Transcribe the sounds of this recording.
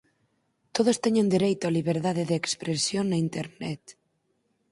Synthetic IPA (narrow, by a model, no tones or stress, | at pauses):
t̪oð̞ost̪eɲend̪iɾejt̪oaliβeɾðaðeðeːkspɾesjoŋnɐint̪eɾnɛt̪